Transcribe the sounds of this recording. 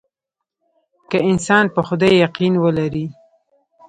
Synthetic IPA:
kaɪnsɑnpəxʊd̪ɑjːaqinwəlaɾi

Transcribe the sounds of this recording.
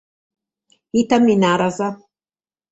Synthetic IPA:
it̪aminaɾaza

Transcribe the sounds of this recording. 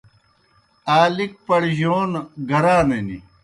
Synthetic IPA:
aːlik̚pɐɽʑoːnɡɐɾaːnenḭ

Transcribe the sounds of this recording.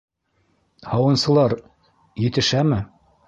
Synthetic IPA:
hɑwɤ̆nsɤ̆lˠɑɾ | jɘ̆t̪ɘ̆ʃæmɘ

